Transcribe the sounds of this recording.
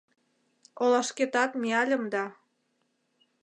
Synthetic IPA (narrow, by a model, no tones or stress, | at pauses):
olɑʃket̪ɑt̪meɑlʲə̆md̪ɑ